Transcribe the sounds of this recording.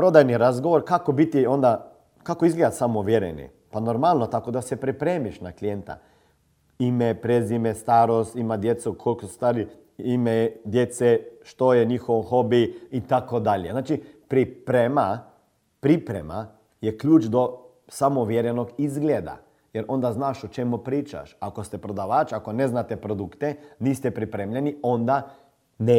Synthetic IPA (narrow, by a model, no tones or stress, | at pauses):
pɾod̪ajniɾazɡoʋoɾkakobit̪iond̪a | kakoizɡled̪at̪samoʋjeɾḛnḭ | panoɾmalˠnot̪akod̪asepɾipɾeːmiʃnaklijent̪a̰ | imepɾezimest̪aːɾost̪imad̪jet̪sukʰolkosust̪ʋaːɾi | imed̪jet̪seʃt̪ojeɲixoʋxobiit̪akod̪aʎjeznaːt͡ʃipɾipɾema | pɾipɾema̰ | jekʎuːt͡ʃd̪o | samoʋjeɾjenoɡizɡled̪a̰ | jeɾʔo̞nd̪aznaːʃot͡ʃemupɾiːt͡ʃa̰ʃakost̪epɾod̪aʋaːt͡ʃakoneznat̪epɾod̪ukt̪eniːst̪ɛpɾipɾemʎeniond̪a | ne